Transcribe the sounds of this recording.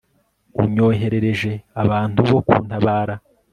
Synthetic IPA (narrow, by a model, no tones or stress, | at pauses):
ṵɲo̞ːɦe̞ɾe̞ɾe̞ʒe̞aβaːntuβo̞kṵːntaβaːɾa